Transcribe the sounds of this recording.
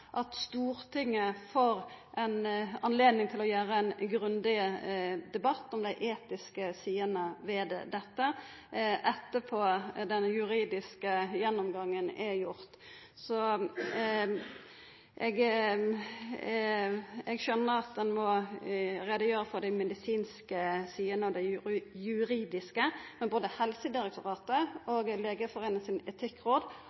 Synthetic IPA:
ʔɑt̪st̪uːɾt̪ʰɪŋːəfoɾʔɛnɑnleːd̪nɪŋt̪ʰɪlɔjæːɾəɛnɡɾʉnd̪ɪ | d̪ɛbɑt̪ːɔmd̪æɪʔeːt̪ɪskəsiːənəʋɛd̪d̪ɛt̪ːə | ʔɛt̪ːəpʰod̪ɛnjʉɾiːd̪ɪskəjɛnːɔmɡɑŋːənæjʊɾt̪ | sɔ | ʔɛɡ | ɛɡʃœnːəɾɑt̪̚d̪ɛnmɔ | ɾeːd̪əjøːɾəfɔd̪æɪmɛd̪ɪsiːnskəsyːənəɔd̪æɪjʉɾiːd̪ɪskəmɛnboːd̪əhɛlsəd̪ɪɾɛk̚t̪ʰʊʁɑːt̪əoɡleːɡəfɔʁeːnəsɪnɛt̪ʰɪkːɾoːd̪

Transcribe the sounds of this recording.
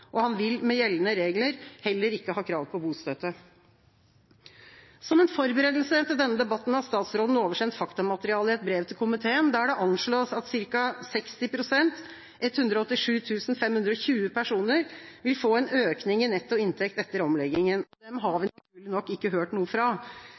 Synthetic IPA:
ʔɔhɑnʋɪlmɛjɛlːənəɾeːɡləɾhɛlːəɾɪkːəhɑːkʰɾɑːʋpʰɔbuːst̪øːt̪ə | sɔmɛːnfɔɾbəɾeːd̪l̩sət̪ɪld̪ɛnːəd̪ɛbɑt̪ːn̩hɑst̪ɑːt̪sɾoːd̪n̩oːʋəʂɛnt̪fɑkt̪ɑmɑt̪əɾɪɑːləɪɛt̪̚bɾeːʋt̪ʰɪlkʰʊmɪt̪ʰeːənd̪ɑɖɛʔɑnʂɭoːsɑt̪sɪɾkɑsɛkst̪ɪpʰɾʊsɛnt̪ | ɛt̪hʉnd̪ɾɔɔt̪ːɪʂʉːt̪ʰʉːsn̩fɛmhʉnd̪ɾɔçʉːəpʰæʂuːnəɾʋɪlfoːɛnøːknɪŋɪnɛt̪ːɔɪnt̪ʰɛkt̪ɛt̪ːəɾɔmlɛɡɪŋənɔd̪ɛmɦɑʋɪnt̪ʉːɭɪnɔkːɪkːəɦøːʈnuːəfɾɑ

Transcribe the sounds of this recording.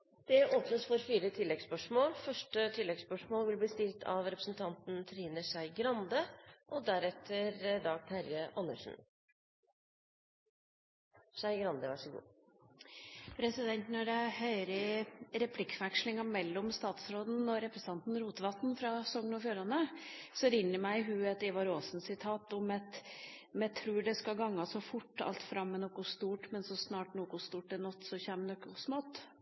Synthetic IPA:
d̪̥ɛʔoːpnəsfɔɾfiːɾət̪ʰɪlːɛɡspœʂmoːlfœʂʈət̪ʰɪlːɛɡspœʂmoːlʋɪlbliːst̪ɪlt̪ʰɑ̰ʋɾɛpɾəsn̩t̪ʰɑnt̪n̩t̪ʰɾiːnəsæɪɡɾɑnd̪əʔɔd̪æɾɛt̪ʰːəɾd̪ɑːɡ̚t̪hæɾɡəʔɑnːəʂn̩ | sæɪɡɾɑnd̪əʋæʂəɡṵː | pʰɾɛsɪd̪ɛnt̪nɔɖɛhœʏɾəɾɛpʰlɪkːfækʂlɪŋɑmɛlːɔmst̪ɑːt̪sɾoːd̪n̩ɔɾɛpɾəsɑnt̪n̩ɾuːt̪ʋɑt̪nfɾɑsɔŋːənɔfjuːɾɑnəsɔɾɪnːəɾmæɪɦʉːɛt̪ɪʋɑɾoːsn̩sɪt̪ʰɑːt̪ɔmɛt̪mɛt̪ʰɾuːɖɛskɑɡɑŋːɑsɔfʊʈːɑ̰lt̪fɾɑmːɛnɔkʊst̪uːʈmɛnsɔsnɑːʈnoːkʊst̪uːʈɛnɔt̪ːsɔçæːmnɔkːʊʊsmɔt̪ː

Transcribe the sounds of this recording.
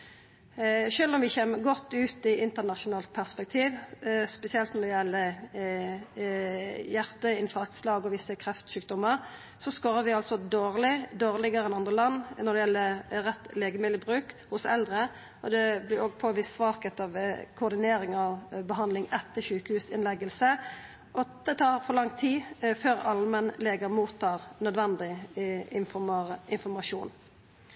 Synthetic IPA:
ʃøːlɔmʋɪçeːməɡɔt̪ːʉːt̪ɪʔɪnt̪ənɑʃʊnɑːlt̪̚pʰæʁspɛk̚t̪ʰiːʋspɛsɪɛlt̪nɔʁd̪ɛjɛlːə | jæʁt̪əɪnfɑʁk̪slɑːɡɔʋɪsːəkʰɾɛft̪ʃʉːk̚d̪ɔmːəʁ | sɔskoːɾəʋɪɑlsɔd̪oːʁlɪd̪oːʁlɪɡəʁəɛnɑnd̪ʁəlɑnːnɔʁd̪ɛjɛlːəʁɛt̪leːɡəmɪd̪əbʁʉːkhʊsɛ̰ld̪ɾə | ʔɔd̪ɛblɪɾoːɡpʰoːʋɪsʋɑːkət̪ɑʋkʰʊːd̪ɪneːɾɪŋɑʋbəɦɑnd̪lɪŋɛt̪ːəɕʉːkəhʉːsɪnlɛɡəlsə | ɔd̪̥ɛt̪ʰɑːɾfɔɾlɑŋt̪ʰiːføːɾɑlːəmɛnleːɡəmuːt̪ʰːɑːʁnœd̪ʋɛnd̪ɪ | ɪnfɔɾmɑʂuːn

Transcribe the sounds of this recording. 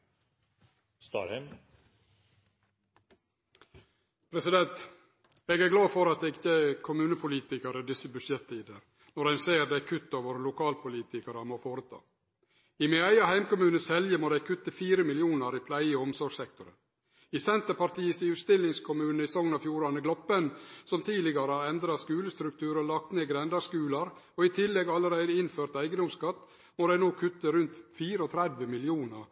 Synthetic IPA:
st̪ɑ̰ːɾhɛm | pʰɾɛsɪd̪ɛnt̪ | eːɡæːɡlɑːfɔɾɑt̪̚d̪ɛːɡɪtːəkʰʊmʉːnəpʰʊliːt̪ɪkəɾəd̪ɪsəbʉdʃɛt̪ʰːiːd̪ə | nɔɾɖæɪnseːɾd̪ɛkʰʉt̪ːɑːʋoːɾəlʊkʰɑːlpʰʊliːt̪ɪkəɾəmoːfoːɾət̪ʰɑ̰ː | ɪmɪæɪɑhæɪmkʊmʉːnəshɛljəmoːd̪æɪkʰʉt̪ːəfiːɾəmɪlɪuːnəɾipʰlæɪəɔmsɔɾɡsɛkt̪ʊɾə̰ | isɛnt̪əɾpɑɾʈ̪iːəsɪʉːt̪st̪ɪlːɪŋskʰʊmʉːnəɪsɔŋnɑfjuːɾɑnəɡlɔpənsɔmt̪ʰiːlɪɡɑɾəhɑːɾɛnd̪ɾɑskʉːləst̪ɾʉk̚t̪ʰʉːɾɔlɑk̚t̪neːɡɾɛnd̪ɑskʉːlɑɾ | ɔɪt̪ʰɪlːɛɡɑləɾæɪd̪əɪnføːɾt̪æɪɡəd̪ʊmskɑt̪ː | moːd̪æɪnoːkʰʉt̪ːəɾʉnt̪fiːɾəɔt̪ʰɾɛd̪ʋəmɪlɪuːnəɾ

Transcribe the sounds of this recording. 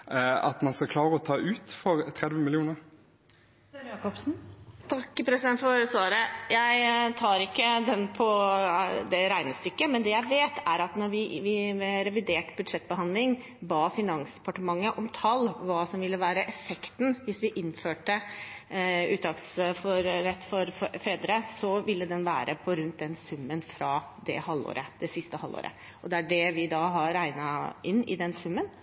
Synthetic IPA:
ɑ̰t̪mɑnskɑkʰlɑːʁəɔt̪ʰɑːʔʉːt̪fɔʁt̪ʰɾɛd̪ʋəmɪlɪuːnəʁ | jɑːkɔpsn̩t̪ʰɑkːpʰɾɛsɪd̪ɛnt̪fɔɾsʋɑːɾəjæɪt̪ʰɑːɾɪkːəd̪ɛnpʰɔ | d̪ɛɾæɪnəst̪ʏkːəmɛnd̪ɛjæɪʋeːt̪ʰæɾɑt̪nɔɾʋɪʋɪɛɾɛʋɪd̪eːʈbʉd̪ʂɛt̪̚ːbəɦɑnd̪lɪŋ | bɑːfɪnɑnsd̪ɛpɑʈəmɑŋːəʔɔmt̪ʰɑlːɔʋɑːsɔmʋɪlːəʋæːɾəʔɛfɛkt̪nʋɪsʋɪʔɪnføːʈə | ʉ̰ːt̪ɑɡsfɔɾɾɛt̪ːfɔɾfɾeːd̪ɾəsɔʋɪlːəd̪ɛnʋæːɾəpʰɔɾʉnt̪̚d̪ɛnsʉmːənfɾɑd̪ɛ̰hɑlːo̰ːɾʔəd̪̥ɛsɪst̪əhɑlo̰ːɾə̰ | ʔɔd̪ɛæɖɛʋɪd̪ɑːɦɑɾæɪnɑɪnːɪ̰d̪ɛnsʉmːən

